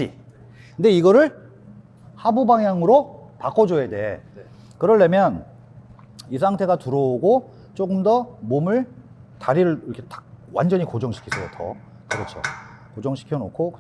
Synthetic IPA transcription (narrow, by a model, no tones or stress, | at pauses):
ḭ | kɯnde̞iɡʌɾɯɭ | habubaŋjaŋɯɾopak͈ʰʌd͡ʑoede̞ | kɯɾʌɭːe̞mjʌn | is̬ʰaŋtʰe̞ɡatuɾooɡo | t͡ɕ͈oɡɯmdʌmomɯɭtaɾiɾɯɭiɾʌkʰetḁwa̰nd͡ʑʌɲikod͡ʑʌŋɕʰi̥kʰisʰʌjo̰tʰʌ̰ | kɯɾʌt͡ɕʰo̰ | kod͡ʑʌŋɕʰi̥kʰjʌno̰kʰo